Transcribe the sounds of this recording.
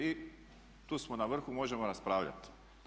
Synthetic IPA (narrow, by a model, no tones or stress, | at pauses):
i | t̪uːsmonaʋr̩xumo̞ːʒemoɾaspɾaːʋʎʲa̰t̪